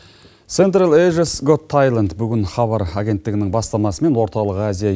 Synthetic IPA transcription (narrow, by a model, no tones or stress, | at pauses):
t̪se̞nt̪̬ɾalˠeʒəsɡot̪ʰːajlˠand̪bʏɡʲɪnχɑβɑɾaɡʲe̞nt̪ːɪɡʲɪnɪŋbɑst̪ɑmɑsəme̞nwo̞ɾt̪ɑlˠəqazija